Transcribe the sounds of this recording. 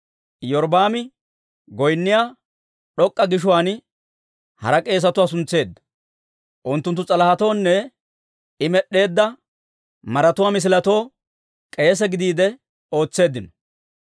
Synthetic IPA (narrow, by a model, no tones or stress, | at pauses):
jɔɾbaːmɪ | ɡɔjnːɪjaː | ɗɔkʼːɐɡɪʃ̬ʊwaːn | hɐ̰ɾɐkʼe̞ːs̬ɐt̪ʊwaːs̬ʊnt͡sːe̞ːd̪ːɐ̥ | ʔʊnt̪ːʊnt̪ːʊt͡sʼɐlɐhɐt̪o̞ːnːɛ | ɪmɛɗːe̞ːd̪ːɐ | mɐɾɐt̪ʊwaːmɪs̬ɪlɐt̪o̞ː | kʼe̞ːs̬ɛɡɪd̪iːd̪ɛ | o̞ːt͡sːe̞ːd̪ːɪnɔ̥